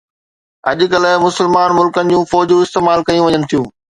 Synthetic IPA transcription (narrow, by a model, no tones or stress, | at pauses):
ɐ̰ʄʊ̆kɐlmʊsɪlmaːnmʊlkənɪ̆d͡ʑũːfɔːd͡ʑũːɪst̪eːmaːlkɐjũʋɐɲənɪt̪ʰijũː